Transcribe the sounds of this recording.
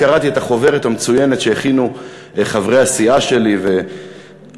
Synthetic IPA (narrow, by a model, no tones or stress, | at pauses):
aʁat̪ie̞t̪aχo̞ve̞ʁet̪amet͡suje̞ne̞t̪ʃeeχinu | χavʁe̞jasiaʃe̞live̞